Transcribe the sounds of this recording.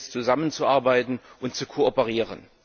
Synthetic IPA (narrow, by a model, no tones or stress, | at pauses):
st͡suzamənt͡suʔaɐbaɪtn̩ʔʊntt͡sukʰoːɔpəʁiːʁə̰n